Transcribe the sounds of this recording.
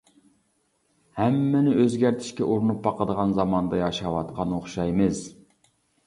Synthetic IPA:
hæmːɪnɪʔøzɡʲæɾt̪ʰɪ̥ʃkʲɛʔoɾnup̚ːbɑqəd̪əʁɑnzɑmɑnd̪ɑjɑʃɑwɑt̪qʰɑnoχʃɑjmɨz̥

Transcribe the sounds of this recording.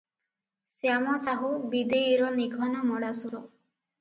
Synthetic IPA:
sjamɔsaɦubid̪eiɾɔniɡʱɔnɔmɔɽasuɾɔ

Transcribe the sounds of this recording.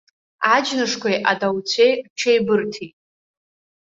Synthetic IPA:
ad͡ʒnɨʂkʷʰajʔadawt͡sʷʰejkʼt͡ʃʰejbɨrtʰitʼ

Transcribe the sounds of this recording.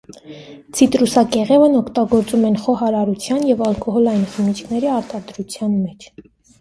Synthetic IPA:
t͡sʰit̪ɾusɑkɛʁɛvənɔkʰt̪ɑɡɔɾt͡sumɛnχɔɦɑɾɑɾut͡sʰjɑnjɛvɑlkʰʼɔɦɔlɑjinχəmit͡ʃʰkʰnɛɾiɑɾt̪ɑd̪ɾut͡sʰjɑnmɛt͡ʃʰ

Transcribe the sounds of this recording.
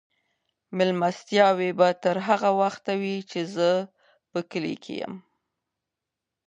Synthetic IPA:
mɪlmast̪jɑwebat̪əɾɦaɣawaxt̪awit͡ʃezə | pəkəlḛkʰḛjə̰m

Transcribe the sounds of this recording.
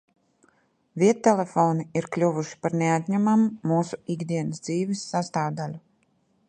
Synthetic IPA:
vʲiɛt̪ːɛlɛfoːniiɾklʲuvuʃi̥paɾneat̪ʲɲæmamuːuːsu̥iɡd̪ʲiɛnəsd̪ziːvisːast̪aːvd̪alʲu

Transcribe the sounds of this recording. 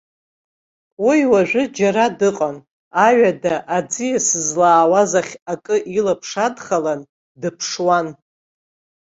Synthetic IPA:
wijwaʒʷᶣʊd͡ʒaɾadɨqʼan | aɥadaʔad͡zijasɨzlaːwazaχʲakʼɨʔilapʰʂadχalan | dɨpʰʂwan

